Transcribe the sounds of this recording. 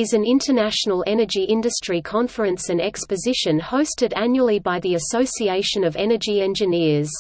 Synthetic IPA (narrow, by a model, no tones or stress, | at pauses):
ɪzɨ̃nɪ̃ntʰənæʃnəl̩ˠɛnəd͡ʒiʔɪ̃ndɨstɹ̥ikʰɑ̃ɱfə˞ɨ̃nsɨ̃nɛkspɨzɪʃɨ̃nhəʊstɨɾæ̃njuəl̩ˠibaɪðiɨsəʊsieɪʃɨ̃nʌvɛnəd͡ʒiɛ̃nd͡ʒɨnɪɹz̥